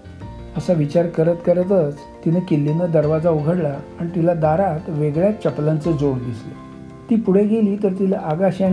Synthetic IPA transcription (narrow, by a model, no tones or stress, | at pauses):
əsaʋit͡ɕaɾkəɾət̪kəɾət̪ət͡s | t̪inəkilːinəd̪əɾʋad͡zauɡʱəɽlaːɽ̃it̪ilad̪aɾat̪ʋeɡɭjat͡ɕəplant͡səd͡zoɳd̪islə̰ | t̪iːpuɽ̤eɡʱeliːt̪əɾt̪ilaʔaɡaɕa